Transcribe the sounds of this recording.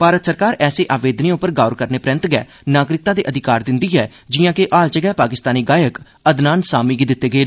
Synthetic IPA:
paːɾət̪səɾkaːɾɛːseːʔaːʋeːd̪niːʊpːəɾɡaːʊɾkəɾneːpɾɛ̃ːnt̪ɡɛ̰ː | naːɡɾɪk̚t̪ãːd̪eːʔəd̪ʱɪkaːɾd̪ɪnd̪iːɦɛː | d͡ʒɪːãːkeʔaːlt͡ʃəɡɛːpaːkɪst̪aːniːɡaːjək | əd̪naːnsaːmiːɡiːd̪ɪt̪ːeːɡəeː

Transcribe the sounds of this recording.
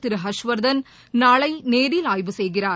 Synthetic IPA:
t̪ːɪɾɯɦɐʂʋɐɾd̪ɐn | naːɭɐɪneːɽilaːjbɯsɛjɣɪraː

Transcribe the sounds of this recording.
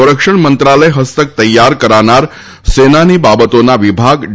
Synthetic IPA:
ɾəkʂəɳmənt̪ɾaləeɦəst̪ək̚t̪əjːaɾkəɾanaɾ | senanibabət̪onaʋibʱaɡ

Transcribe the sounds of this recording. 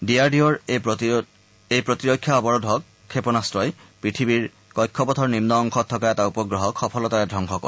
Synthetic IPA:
diaɹdiɔɹ | ejpɹotiɹokʰːjaɔbɔɹɔdʱɔkʰːepɔnastɹɔjpɹitʰibiɹ | kɔjkʰːɔpɔtʰɔɹnimnɔːŋxʰɔtʰːɔkaɛtaupɔɡɹɔɦɔkxɔpʰɔlɔtaɛdʱɹɔŋxɔkɔ̰ɹ

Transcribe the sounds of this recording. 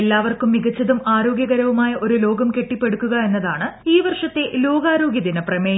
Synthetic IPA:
lːaːʋɐrkumːiɣɐt͡ɕːɐðumaːɾo̞ːɡjɐɣɐɾɐʋumaːjɐʔo̞ɾulo̞ːɡɐmke̞ʈːipːe̞ɽukːuɣɐe̞nːɐðaːɳɨiːʋɐrʂɐt̪ːe̞ʔlo̞ːɡaːɾo̞ːɡjɐðinɐprɐme

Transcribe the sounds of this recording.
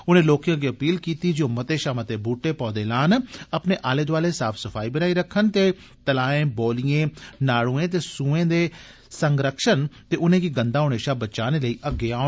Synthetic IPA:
ʊnẽːloːkjãːɡiːəpiːlkiːt̪iːd͡ʒoːmət̪eːʃaːmət̪eːbʱuːʈːeːpɔːd̪eːlaːnəpneːʔaːleːd̪ʋaːleːsaːpʰsəfʰaːibənaːiːɾəkʰːənt̪eː | t̪əlaːẽːboːlijẽːnaːɽũːẽːt̪̬eːsũːẽːd̪eː | səŋɡɾəkʃənt̪eːʊnẽːɡiːɡənd̪aːɦoːneːʃaːbət͡ʃaːneːləiːʔəɡeaː

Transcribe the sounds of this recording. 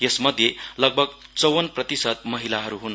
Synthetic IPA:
jesmʌd̪ʱjelʌɡ̚bʱʌɡt͡sʌwʌnprʌt̪isʌd̪mʌɦilaɦʌɾuɦun

